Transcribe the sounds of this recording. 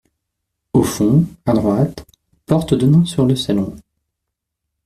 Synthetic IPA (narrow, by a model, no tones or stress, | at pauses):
ofɔ̃ad̪ʁwat̪ | pɔʁt̪d̪ənɔ̃syʁləsalɔ̃